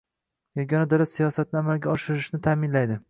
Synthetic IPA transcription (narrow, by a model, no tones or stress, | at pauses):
jɒɡʲɒnad̪ɒɾasijɒsat̪̚nɪamalɡʲaɒʃɪɾɪʃnɪt̪ʰaːmɪnlajd̪ɪ